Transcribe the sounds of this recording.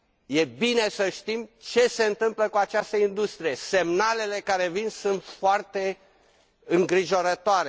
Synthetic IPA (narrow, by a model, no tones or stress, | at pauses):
je̞bine̞səʃt̪imt͡ʃe̞se̞ɨnt̪ɨmpləkuat͡ʃast̪əind̪ust̪ɾije̞se̞mnale̞le̞kaɾe̞vinsunt̪foart̪e̞ | ɨŋɡɾiʒo̞ɾət̪oaɾe